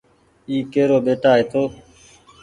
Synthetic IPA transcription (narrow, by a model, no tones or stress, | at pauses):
iːkeːɾoːɓeːʈaːɦet̪ʰoː